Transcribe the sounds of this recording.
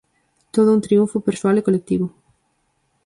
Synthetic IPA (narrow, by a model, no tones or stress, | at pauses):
t̪oð̞ʊunt̪ɾiuɱfʊpeɾswalekolek̚t̪iβʊ